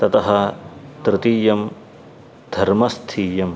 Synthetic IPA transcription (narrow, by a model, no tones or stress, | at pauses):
t̪ɐt̪ɐɦɐt̪ɾɪt̪iːjɐm | d̪ʱɐɾmɐst̪ʰiːjɐm